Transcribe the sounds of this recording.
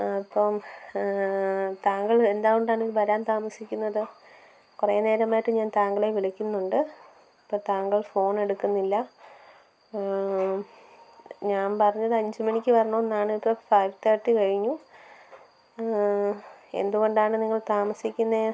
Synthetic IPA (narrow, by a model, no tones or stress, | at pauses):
ɐpːɐm | t̪aːŋɡɐɭend̪aːɣuɳɖaːɳiʋɐɾaːnt̪aːmɐsikʲːunːɐðɨ | kurejːɐne̞ːɾɐmaːjiʈːɨɲaːnt̪aːŋɡɐɭeʋiɭɐkʲːunːuɳɖɨ | ɐpːot̪aːŋɡɐɭfo̞ːne̞ɽukːunːilːɐ | ɲaːnpɐrɐɲːɐðɨɐɲd͡ʑɨmɐɳikʲːɨpɐrɐɳoːnːaːɳipːɨfɐjʋt̪ɐrʈːikɐɻiɲːu | e̞̰nd̪uɣo̞ɳɖaːɳɨniŋːɐɭt̪aːmɐsikʲːunːɐ